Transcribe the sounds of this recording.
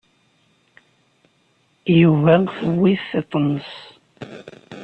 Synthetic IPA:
juvæθəwːiθθet̪ˤːənəs

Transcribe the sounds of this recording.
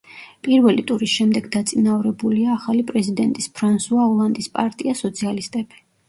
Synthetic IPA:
pʼiɾvɛlit̪ʼuɾisʃɛmd̪ɛɡd̪at̪sʼinavɾɛbuliaːχalipʼɾɛzid̪ɛnt̪ʼispʰɾansuaɔlˠand̪ispʼaɾt̪ʼiasɔt̪sʰialist̪ʼɛbi̥

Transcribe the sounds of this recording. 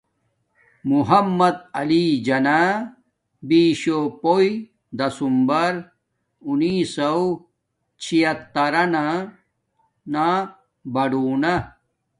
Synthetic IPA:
muɦɐmːɐd̪̚ɐlid͡ʑɐna | biːɕopoji | d̪ɐsumbɐɾ | uniːsɐw | t͡ɕʰijɐt̪ːɐɾɐna | na | bɐɖuːna

